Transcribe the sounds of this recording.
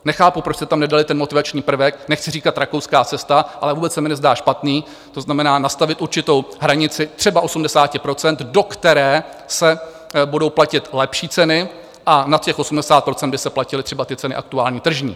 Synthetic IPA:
nɛxaːpupɾot͡ʃsɛt̪amnɛdalɪt̪ɛnmo̞t̪ɪvat͡ʃɲiːpr̩vɛknɛxt͡sɪriːkat̪ɾakowskaːt͡sɛst̪aʔalɛvuːbɛt͡ssɛmɪnɛzdaːʃpat̪niː | t̪o̞znamɛnaːnast̪avɪt̪ʔuɾt͡ʃɪt̪o̞wɦɾaɲɪt͡sɪt̪r̥ɛbaʔo̞sumdɛsaːcɪpɾo̞t͡sɛnt̪do̞kt̪ɛɾɛː | sɛ | budowplacɪt̪lɛpʃiːt͡sɛnɪ | ʔanat̪cɛxʔo̞sumdɛsaːt̪̚pɾo̞t͡sɛnd̪bɪsɛplacɪlɪt̪r̝̥ɛbat̪ɪtt͡sɛnɪʔa̰k̚t̪uaːlɲiːt̪r̩ʒɲḭː

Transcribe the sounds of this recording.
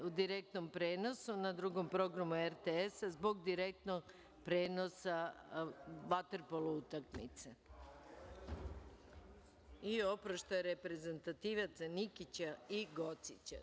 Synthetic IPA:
ud̪iɾek̚t̪no̞mpɾe̞ːno̞sunad̪ɾuɡo̞mpɾo̞ɡɾamueɾt̪eesazbo̞ɡd̪iɾe̞k̚t̪no̞ɡ | pɾeːnosa | ʋat̪eɾpolˠuut̪akmḭt̪se | io̞pɾoʃt̪ojeɾe̞pɾe̞ze̞nt̪at̪iːʋat̪sanikit͡ɕaiɡot̪sit͡ɕa̰

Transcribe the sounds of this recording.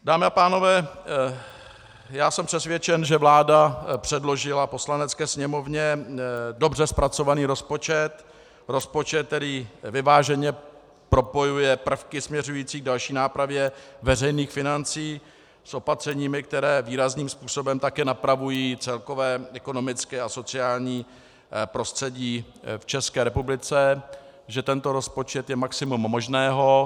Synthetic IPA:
daːmɪapaːno̞vɛː | jaːsɛmpr̥ɛsvjɛt͡ʃɛnʒɛvlaːdapr̥ɛdlo̞ʒɪlapo̞slanɛt͡skɛːsɲɛmo̞vɲɛdo̞brɛspɾat͡so̞vaniːɾo̞spo̞t͡ʃɛt̪ | ɾo̞spo̞t͡ʃɛt̪̚t̪ːɛɾiːvɪvaːʒɛɲɛ | pɾo̞po̞jujɛpr̩fkɪsmɲɛrujiːt͡siːɡ̚dalʃiːnaːpɾavjɛvɛrɛjniːxfɪnant͡siː | sʔo̞pat̪r̝̥ɛɲiːmɪk̚t̪ɛɾɛːviːɾazniːmspuːso̞bɛmt̪akɛːnapɾavujiːt͡sɛlko̞vɛːɛko̞no̞mɪt͡skɛːaso̞t͡sɪaːlɲiː | pɾo̞st̪r̥ɛɟiː | ft͡ʃɛskɛːɾɛpublɪt͡sɛ | ʒɛt̪ɛnt̪o̞ɾo̞spo̞t͡ʃɛt̪jɛmaksɪmumːoʒnɛːɦo̞

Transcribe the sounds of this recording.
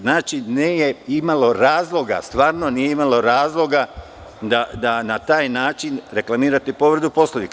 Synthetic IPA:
znaːt͡ʃiniːjeimalo̞ɾaːzlˠo̞ɡa̰st̪ʋaːɾno̞niːje̞imalo̞ɾaːzlˠo̞ɡa | d̪ad̪anat̪aːjnaːt͡ʃinɾe̞klˠamiːɾat̪ipo̞ʋrd̪upo̞slˠoʋik

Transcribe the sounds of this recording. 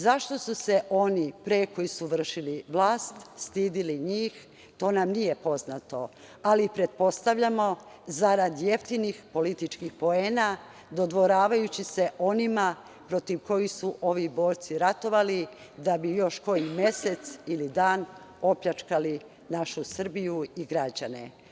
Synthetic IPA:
zaʃt̪o̞suse̞ʔo̞nipɾe̞ko̞jisuʋr̩ʃiliʋlaːst̪st̪iːd̪iliɲiːx | t̪o̞ːnamnije̞po̞znat̪o̞ | alipɾe̞t̪̚po̞st̪aʋʎamo̞ | zaɾad̪je̞ft̪inixpo̞lit̪it͡ʃkixpo̞e̞ːna | d̪o̞d̪ʋo̞ɾaːʋajut͡ɕise̞ʔo̞nima | pɾo̞t̪iʋko̞jixsuʔo̞ʋibo̞ːɾt̪siɾat̪o̞ʋali | d̪abijo̞ʃko̞jime̞se̞t̪silid̪aːn | o̞pʎat͡ʃkali | naʃusr̩bijuiɡɾad͡ʑane

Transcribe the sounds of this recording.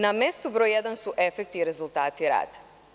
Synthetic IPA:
namest̪ubɾojjed̪ansuʔe̞fek̚t̪iɾe̞zulˠt̪aːt̪iɾa̰ːd̪

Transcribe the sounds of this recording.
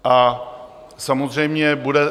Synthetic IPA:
ʔa | samozr̝ɛjmɲɛbudɛ

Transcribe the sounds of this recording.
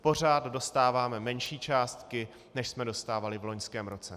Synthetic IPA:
po̞r̝aːt̪do̞st̪aːvaːmɛmɛnʃiːt͡ʃaːst̪kɪ | nɛʃsmɛdo̞st̪aːvalɪvlo̞ɲskɛːmɾo̞t͡sɛ

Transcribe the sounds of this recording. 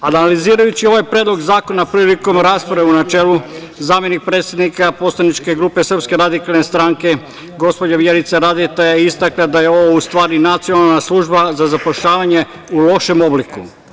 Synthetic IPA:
analiziːɾajut͡ɕio̞ʋajpɾed̪lo̞ɡzaːko̞napɾiliko̞mɾaːspɾaʋeunat͡ʃe̞ːlu | zaːmjenik̚pɾe̞ːt̪sʲjed̪nikapo̞tslˠanit͡ʃke̞ɡɾuːpe̞sr̩pske̞ɾad̪ikalˠnest̪ɾaŋke̞ | ɡo̞spo̞d͡ʑaʋjeɾit̪saɾaːd̪it̪ejaist̪aklad̪ajeo̞ʋoust̪ʋaːɾinat̪sijonalˠnaslˠuʒbazazapoʃʎaːʋaɲe̞ | ulo̞ʃe̞mo̞bliku

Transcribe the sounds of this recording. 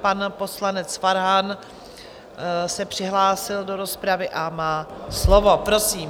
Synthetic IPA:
panpo̞slanɛt͡sfaɾɦan | sɛpr̝̥ɪɦlaːsɪldo̞ɾo̞spɾavɪʔamaːslovo̞pɾo̞siːm

